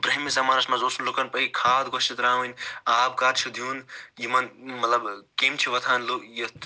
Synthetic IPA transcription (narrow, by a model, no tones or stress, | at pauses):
bɾɐɦmisɐmaːɾɐsmɐzoːsunlokɐnpɐikʰaːd̪ɡʱosit̪ɾaːʋɐnʲaːb̚kaːɾt͡ʃʰud̪ʱjuːnjimɐnmɐt̪lɐbkemt͡ʃʰiʋɐt̪ʰaːnloji